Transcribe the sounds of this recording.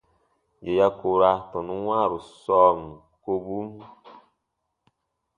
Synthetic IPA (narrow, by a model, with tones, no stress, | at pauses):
je˨ja˦ko˨ɾa˦tɔ˨nu˦wa˦˨ɾu˨sɔ˦˨m˨ | ko˦bu˦m˦